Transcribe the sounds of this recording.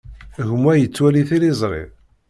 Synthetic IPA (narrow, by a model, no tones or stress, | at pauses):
ʝəmwæjət͡sːwæliθilizˤɾˤḭ